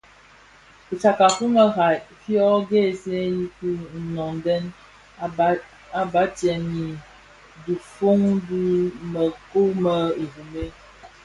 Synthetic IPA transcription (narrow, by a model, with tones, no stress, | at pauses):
u˨t͡ʃa˨ka˨fu˦mə˦ɣa˨fjɔ˦ɡe˦˨se˦ji˦ku˦n̩˨nɔ˨ŋdɛ˦n˦ | a˦ba˦tjɛ˨ni˨ | du˨fo˦ŋdu˦mə˨ko˦mə˦e˨vu˨me˦